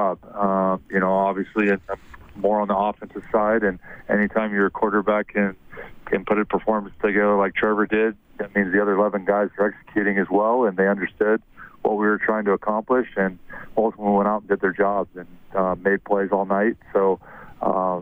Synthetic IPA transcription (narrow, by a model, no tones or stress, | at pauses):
ɑb̥ʌmjɨñoʊɑbviɨsliɨ̃nmɔɹə̃nðiɑfɨ̃nsɨsaɪɾɨ̃nɛ̰ñitʰãɪ̃mjə˞kʰw̥ɔɹɾə˞bækʰɨ̃nkʰɨ̃npʰʊɾɨt̚pʰə˞fɔɹm̃nstʰɨɡɛə˞laɪk̚tʰɹ̥ɛvə˞dɪd̚ðɨt̚mĩnzðiʌðə˞ɨlɛvɨ̃nɡaɪzðə˞ɛksə̥kʰj̥ʉɾɪ̃ŋɨzwɛlˠə̃nðeɪʌ̃ndə˞stʊd̚wʌ̰t̚wiwə˞tʰɹ̥aɪɪ̃ŋtʰɨəkʰɑ̃mplɪʃɨ̃nmoʊθw̃wɛ̃ɾ̃aʊɾn̩dɨd̪̚ðə˞d͡ʒɑbzɨ̃nʌmeɪd̚pʰl̥eɪzɔlˠnaɪt̚soʊʌ̰